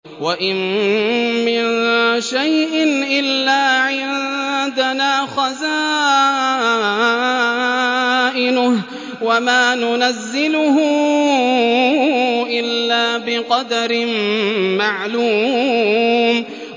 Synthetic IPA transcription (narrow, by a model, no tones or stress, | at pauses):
waʔɪn | mɪnʃajʔɪnʔɪlːaːʕɪnd̪anaːxaza | ʔɪnʊh | wamaːnʊnazːɪlʊhʊ | ʔɪlːaːbɪqɑd̪aɾɪmmaʕluː | m